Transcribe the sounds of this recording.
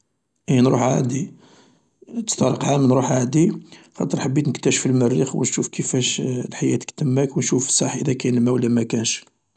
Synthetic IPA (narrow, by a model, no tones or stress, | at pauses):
ʔinɾuħʕæ̰d̪i | t̪ə̥st̪ɑɾˤəqhamənɾuħʕæd̪ixɑ̰t̪ːˤəɾˤħabːit̪nəkt̪æʃfilmərːixwənʃufkʰəfæʃlħajæt̪kt̪əmːækwnʃufə̥sˤɑħʔəd̪ækænlmæwlːæmækænʃ